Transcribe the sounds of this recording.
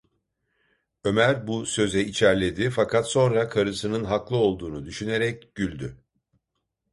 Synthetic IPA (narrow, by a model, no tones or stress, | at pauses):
ø̞mæɾbusø̞zɛit͡ʃʰæɾlʲe̞d̪ifakʰat̪so̞nɾakʰaɾɯsɯnɯnɦaklˠɯo̞lˠd̪uːnud̪yʃyne̞ɾɛcɟ̥ylʲd̪y